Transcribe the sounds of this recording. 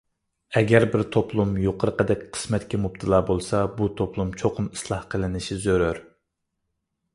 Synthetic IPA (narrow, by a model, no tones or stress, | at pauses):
ɛɡʲɛɾbɪɾt̪ʰoplˠumjoqʰəɾəqəd̪ɛkʲqʰə̥smɛt̪kʲɛmup̚t̪ʰɨlˠɑːbolˠsɑbut̪ʰoplˠumt͡ʃʰoqʰʊmi̥slˠɑhqʰəlˠɪnɪʃizøɾøɾ